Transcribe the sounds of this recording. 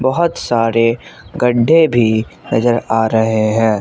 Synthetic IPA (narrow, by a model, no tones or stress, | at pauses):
bɐɦʊt̪saːɾeɡəɖʱːebʱinɐzəɾaːɾɐɦeɦɛ̃ː